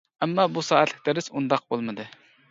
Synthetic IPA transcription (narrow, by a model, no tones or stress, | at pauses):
ɛmːɑbusɑːæt̪lɪkʲt̪ɛɾɪsund̪ɑq̚bolˠmɨd̪ɨ